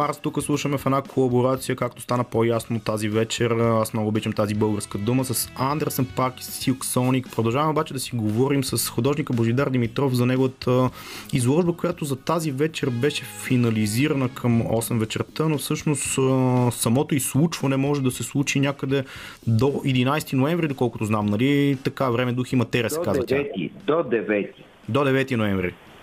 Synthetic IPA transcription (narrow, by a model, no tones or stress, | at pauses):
aɾst̪ukəslˠuʃəmɛfɛnakʰolˠɐboɾat̪sijəkak̚t̪o̥st̪anəpojasnot̪ːazivɛt͡ʃɛɾasmnɔɡʊːbit͡ʃəmt̪azibɤlˠɡəɾskəd̪uməsɐsand̪ɛɾsənpaɾk̪ilksɔnikpɾod̪ɐlˠʒavɐmɛobat͡ʃɛd̪ɐsiɡovɔɾimsəsxʊd̪ɔʒnikəboʒid̪aɾd̪imit̪ɾɔfzɐnɛɡovət̪ə | izlˠɔʒbəkojat̪ozɐt̪azivɛt͡ʃɛɾbɛʃɛfinɐliziɾənəkʰəmɔsɛmvɛt͡ʃɛɾt̪ənofsɤʃnoʊst̪sɐmɔt̪oislˠut͡ʃvɐnɛmɔʒɛd̪ɐsɛslˠut͡ʃinʲjakəd̪ɛ | d̪oid̪inajst̪inoɛ̃ɱvɾid̪okɔlˠkʊt̪ʊznamnɐlit̪ɐkavɾɛmɛd̪uximɐt̪ɛɾiəsɛkazvət̪ʲat̪ḭd̪od̪ɛvɛt̪i | d̪od̪ɛvɛt̪inoɛ̃ɱvɾḭ